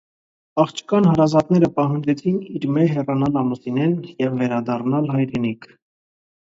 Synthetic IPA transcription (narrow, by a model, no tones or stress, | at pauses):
ɑχt͡ʃʰkɑnhɑɾɑzɑt̪nɛɾəpɑɦɑnd͡ʒɛt͡sʰiniɾmɛɦɛrɑnɑlɑmusinɛnjɛvːɛɾɑd̪ɑrnɑlɦɑjɾɛnikʰ